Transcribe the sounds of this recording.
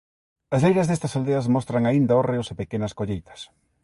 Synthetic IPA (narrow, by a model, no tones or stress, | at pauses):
ɐslejɾɐzðest̪ɐsald̪eɐzmɔst̪ɾaŋaind̪aoreʊsepekenɐskoʎejt̪ɐ̥s